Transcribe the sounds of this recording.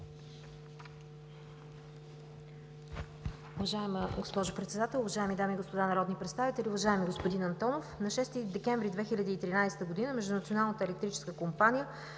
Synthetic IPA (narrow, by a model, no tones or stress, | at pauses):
ʊvɐʒaɛmɡospɔʒʊpɾɛt̪sɛd̪at̪ɛlˠʊvɐʒaɛmid̪amiːɡospod̪anɐɾɔd̪nipɾɛt̪st̪avit̪ɛlʲiʊvɐʒaɛmiɡospod̪inɐnt̪ɔnofnɐʃɛst̪id̪ɛkɛɱvɾid̪vɛxilʲɐd̪iːt̪ɾinajsɛt̪əɡod̪inəmɛʒd̪ʊnət̪sionalˠnət̪əɛlɛk̚t̪ɾit͡ʃɛ̥skəkompanijə